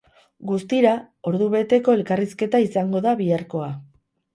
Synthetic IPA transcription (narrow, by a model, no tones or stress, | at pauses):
ɡust̪iɾa | o̞ɾðuβe̞t̪e̞ko̞e̞lkariske̞t̪aisaŋɡo̞ðaβiaɾko̞a